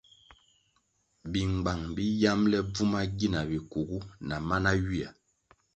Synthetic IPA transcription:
bi˨ŋ˨ɡ͡ba˨ŋbi˦ja˦mlɛ˦b͡vu˦ma˦ɡi˦na˨bi˨ku˨ɡu˦na˨ma˦na˦ɥi˦a˨

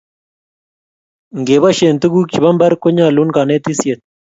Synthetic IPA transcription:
ŋɡe˨ba˦ʃe˨nt̪u˦ɡu˦k̚t͡ʃi˨bɐ˦mbɐ˦ɾko˦ɲa˦˨lu˦nka˨ne˦t̪i˦sje˨t̪̚

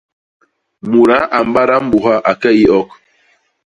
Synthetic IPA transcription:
mu˨ɾa˦ʔa˨m˦ba˦ɾa˦m̩˦bu˨ɦa˦ʔa˨kɛ˦i˦ɔ˦k̚

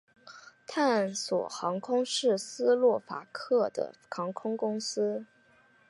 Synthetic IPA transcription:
t̪ʰa˥˩nswɔ̰˨˩xɑ˧˥ŋkʰʊ˥ŋʂɻ̩˥˩sɹ̩˥lwɔ˥˩fa̰˨˥kʰɤ˥˩d̪ə̰˩xɑ˧˥ŋkʰʊ˥ŋkʊ˥ŋsɹ̩˥

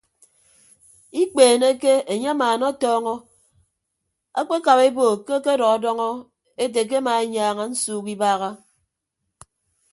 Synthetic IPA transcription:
i˦k͡peː˨ne˦ke˦e˨ɲe˦a˦maː˨nɔ˦tɔː˦ŋɔ˦ | a̰˦k͡pe˦ka˨βe˦boː˨ke˦ke˦dɔ˨ɣɔ˨dɔ˦ŋɔ˦ | e˦te˨k̬e˦maː˨e˦ɲaː˨ŋa˨n̩˦suː˦˨ki˦baː˦ɣa˦

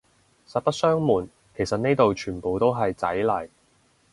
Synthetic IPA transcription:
sɐ˨t̚pɐ˥t̚sœː˥ŋmuː˨˩n | kʰe˨˩sɐ˨t̚ne˥jt̪o˨wt͡ʃʰyː˨˩npo˨wt̪o˥wɦɐ˨jt͡sɐ˨˥jlɐ˨˩j

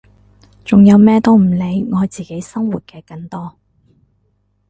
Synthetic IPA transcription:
t͡sʊ˨ŋjɐ˨˧wmɛː˥t̪o˥wm̩˨˩le˨˧jŋɔː˨˧jt͡siː˨˩ke˨˥jsɐ˥ŋwuː˨t̚kɛː˧kɐ˧ŋt̪ɔː˥

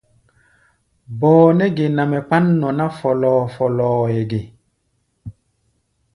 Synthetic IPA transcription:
bɔː˨nɛ˦ɡe˨na˨mɛ˨k͡pa˦nːɔ˨na˦fɔ˨lɔː˨fɔ˨lɔː˨je˨ɡe˨

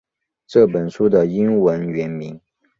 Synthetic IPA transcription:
ʈ͡ʂɤ˥˩pə˨˩nʂu˥d̪ə˨i˥nwə˧˥nɥɛ˧˥nmi˧˥ŋ

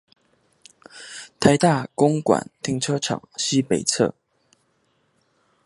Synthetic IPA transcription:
t̪ʰa˧˥ɪt̪a˥˩kʊ˥ŋkwa̰˨˩˦nt̪ʰi˥˧ŋʈ͡ʂʰɤ˥ʈ͡ʂʰɑ̰˨˩ŋɕi˥pe˨˩ɪt͡sʰɤ̰˥˩

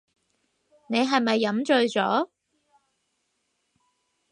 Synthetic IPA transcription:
ne˨˧jɦɐ˨jmɐ˨jːɐ˨˥mt͡ʃɵ˨˧ɥt͡ʃɔ̰ː˨˥

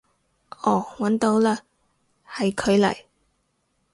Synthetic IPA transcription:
ʔɔː˨˩wɐ˨˥nt̪o˨˧wlaː˥ | hɐ˨jkʰɵ˨˧ɥlɐ̰˨˩j

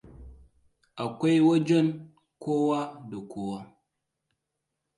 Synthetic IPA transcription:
a˨kʷa˦jwo˦d͡ʒo˦n | ko˦wa˦dɐ˨kʰo˦wa˦

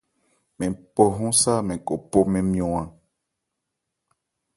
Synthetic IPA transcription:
mɛ̃˨po˨ɦɔ̃˦sa˦˨mɛ̃˨ko˨po˦mɛ̃˦mĩ˦ɔ̃˦ã˦

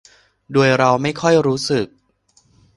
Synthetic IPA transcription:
duː˧əjɾa˧wma˥˩jkʰɔ˥˩jɾuː˦˥sɯ˨˩k̚

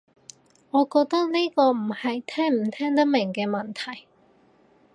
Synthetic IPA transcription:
ŋɔː˨˧kɔː˧k̚t̪ɐ˥k̚ne˥jkɔː˧m̩˨˩hɐ˨jt̪ʰɛː˥ŋm̩˨˩˦t̪ʰɛː˥ŋt̪̬ɐ˥k̚mɪ˨˩ŋkɛː˧mɐ˨nt̪ʰɐ˨˩j

